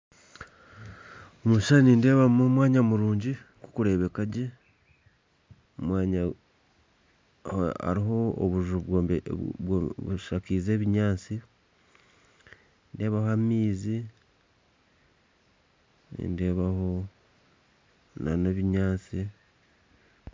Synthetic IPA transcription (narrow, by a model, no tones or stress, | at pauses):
omuʃaniːnde̞ːβamomwaːɲamuɾuːɲɟikukuɾe̞ːβe̞kaɟe | omwaːɲa | a̰ɾiɦo̞o̰βuʒu | wβuʃakiːze̞ːβiɲaːt͡si | nde̞ːβahoammiːzi | nḭnde̞βaho̞ | na̰neβiɲaːt͡si